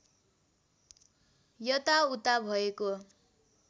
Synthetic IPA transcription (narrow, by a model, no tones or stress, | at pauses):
jʌt̪aut̪abʱʌeko